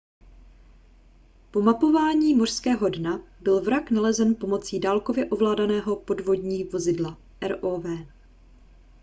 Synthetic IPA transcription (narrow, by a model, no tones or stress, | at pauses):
po̞mapo̞vaːɲiːmor̥skɛːɦo̞dnabɪlvɾaknalɛzɛnpo̞mo̞t͡siːdaːlko̞vjɛʔo̞vlaːdanɛːɦo̞po̞dvo̞dɲiːvo̞zɪdla | ʔɛɾʔoːvɛː